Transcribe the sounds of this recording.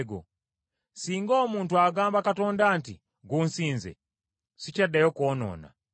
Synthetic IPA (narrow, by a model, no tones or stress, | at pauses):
ɡo̰ | siːŋɡoːmuːntuaɡaːmbakatondanti | ɡunsiːnzḛ | sicadajokoːno̰na̰